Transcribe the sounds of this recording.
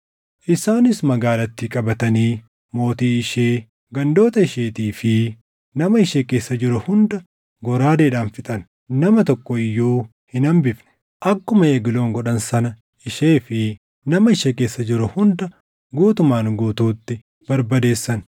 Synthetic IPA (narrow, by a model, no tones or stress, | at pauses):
ʔɪsaːnɪsmɐɡaːlɐt̪ːiːkʼɐbɐt̪ɐniː | mo̞ːt̪iːɪʃeː | ɡɐnd̪o̞ːt̪ɐɪʃeːt̪iːfɪ | nɐmɐɪʃeːke̞ːsːɐd͡ʒɪɾʊhʊnd̪ɐ | ɡɔɾaːd̪eːᶑaːnfɪt̪ʼɐn | nɐmɐt̪ɔkːɔɪjːuː | hɪnɐmbɪfnɛ̥ | ʔɐkːʊmɐeːɡɪlo̞ːŋɡɔᶑɐnsɐnɐ | ɪʃeːfɪ | nɐmɐɪʃeːke̞ːsːɐd͡ʒɪɾʊhʊnd̪ɐ | ɡuːt̪ʊmaːnɡuːt̪uːt̪ːɪ | b̥ɐɾbɐd̪e̞ːsːɐn